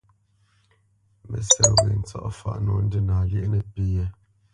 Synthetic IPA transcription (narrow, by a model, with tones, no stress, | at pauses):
mə̰˨sə˨we˨n̩˨˦t͡sɔ̰˦ʔfa̰˨ʔnɔ˨n̩˦də˦naː˨ljɛ˦ʔnə˨pi˦je˦